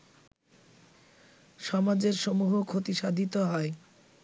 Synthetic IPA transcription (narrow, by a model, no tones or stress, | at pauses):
ʃɔmad͡ʑeɾʃomuɦokʰot̪iʃad̪ʱit̪oɦɔe